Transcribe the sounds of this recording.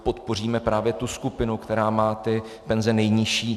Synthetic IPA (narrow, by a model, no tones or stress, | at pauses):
po̞t̪po̞r̝iːmɛpɾaːvjɛt̪uskupɪnukt̪ɛɾaːmaːt̪ɪ | pɛnzɛnɛjɲɪʃiː